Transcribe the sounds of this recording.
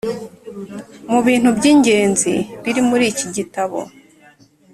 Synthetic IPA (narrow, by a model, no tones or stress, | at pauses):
muβiːn̥hubɟiːɲɟe̞ːnzḭβiɾimuɾiːciɟitaβo̰